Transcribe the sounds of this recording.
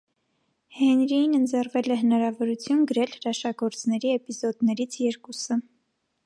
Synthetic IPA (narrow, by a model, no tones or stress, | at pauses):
hɛnɾijinənd͡zɛrvɛlɛɦənɑɾɑvɔɾut͡sʰjunɡəɾɛlɾɑʃɑɡɔɾt͡snɛɾiɛpizɔd̪nɛɾit͡sʰjɛɾkusə